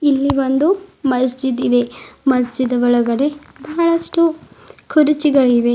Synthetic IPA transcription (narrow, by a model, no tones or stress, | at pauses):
ilːiʋond̪umɐs̬d͡ʒid̪id̪e̞mɐsd͡ʒid̪ɐʋɔɭɐɡɐɽe̞ | bɐɐɭɐsʈukʰuɾit͡ʃiɡɐɭiʋe̞